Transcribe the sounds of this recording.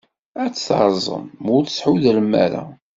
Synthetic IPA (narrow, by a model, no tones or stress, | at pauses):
æt͡sːθɾˤzˤə̰mʊɾθəsħuðləmːæ̰ɾa̰